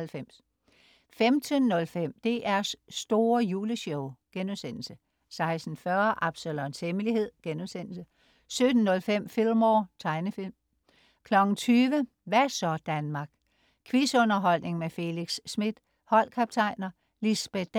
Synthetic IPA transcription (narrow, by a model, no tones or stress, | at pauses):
lfem̰s | femd̥ʰənːɔ̽lfem̰d̥e̝ʔæɐsːd̥o̝ːɐjuːləɕɔʊɡ̥enuðˠsen̰l̩sə | sɑ̈ɪsd̥n̩fɶɐʔɑ̈b̥səlɔnsheməlihe̝ð̞̰ˠɡ̥enusen̰l̩sə | sød̥n̩ːɔ̽lfem̰fil̰mɒt͡sʰɑ̈ɪnəfil̰m | kʰlɒ̽ɡ̥n̩t͡sʰyːʋə | ʋæsɒ̽d̥ænmɑ̈ːɡ̥̚ | kʰʋisɔ̽nɐɦɒ̽l̰ne̝ŋmefe̝liɡ̥sːmid̥ | hɒ̽l̰kʰɑb̥̚t͡sʰɑ̈ɪ̰nɐ | lisb̥e̥